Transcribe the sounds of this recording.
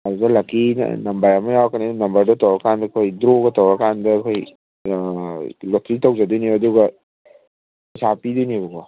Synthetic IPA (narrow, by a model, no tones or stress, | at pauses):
ɐduɡɐlakḭnɐmbɐɾɐmɐjawkʰaninɐmbɐɾdɐtawɾɐkʰandɐkʰojdɾoɡɐtawɾɐkandɐkʰoj | lotʰɾitawzadujniɐduɡɐ | sapidujnibɐɡɔ